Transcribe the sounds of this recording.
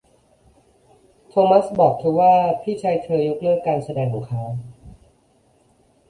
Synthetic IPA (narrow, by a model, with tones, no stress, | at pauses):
t̪ʰoː˧ma˦˥sbɔː˨˩k̚t̪ʰɯ˧˥waː˥˩pʰiː˥˩t͡ɕʰaː˧jt̪ʰɤː˧jo˦˥k̚lɯ˥˩əkːaː˧nsa˧dɛː˧ŋluː˨˩kʰaː˦˥